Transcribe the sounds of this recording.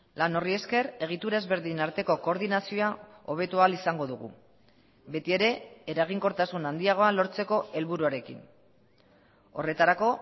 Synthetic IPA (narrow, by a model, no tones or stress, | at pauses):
lano̞rie̞ske̞re̞ɣ̞it̪uɾaezβe̞ɾðinaɾt̪e̞ko̞ko̞ːɾðinasio̞ao̞β̞e̞t̪ualisaŋɡo̞ðuɣṵ | be̞t̪ie̞ɾe̞ːɾaɣ̞iŋko̞ɾt̪asunand̪iaɣ̞o̞alo̞ɾt͡se̞ko̞e̞lβuɾuaɾe̞kḭn | o̞̰re̞t̪aɾako̞